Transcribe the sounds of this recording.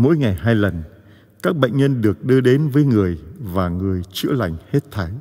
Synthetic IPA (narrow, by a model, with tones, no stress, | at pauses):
mo̰˧˥jŋa˨˩jɦaː˧jlə˨˩n | kaː˦˥k̚ɓə̰˧˨jŋ̟ɲə˧nɗɨ˨˩ək̚ɗɨ˧əɗe˨˦nvəː˨˦jŋɨ˨˩əjvaː˨˩ŋɨ˨˩əjt͡ɕɨ̰˧˥la˨˩jŋ̟he˦˥t̚t̪ʰa˨˧˦j